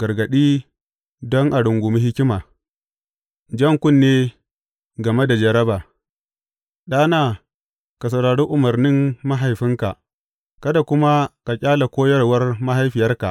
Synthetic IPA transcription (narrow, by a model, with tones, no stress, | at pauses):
ɡ̥ɐ˨rɡɐ˨ɗiː˦ | dɔ˦ŋʔa˨ɽʊ˨ŋɡʷʊ˨mɐ˦hɪ˦kʲɪ˦maː˨ | d͡ʒɐ˦ŋkʷʊ˦nːeː˦ | ɡɐ˨me˦da˨d͡ʒɐ˨ɾɐ˦baː˨ | ɗaː˦naː˨ | ka˨s̬ɐ˨wɽaː˨ɽuː˦ʔʊ˨mɐ˨rnɪ˦mːa˦ɦa˨jɸɪ˦ŋka˨ʔ | kɐ˦da˨kʷʊ˦ma˦ka˨kʲʼaː˦la˨kʷoː˦jɐ˦rwɐ˦rma˦ɦa˦jɸɪ˨jɐ˦rka̰˨ʔ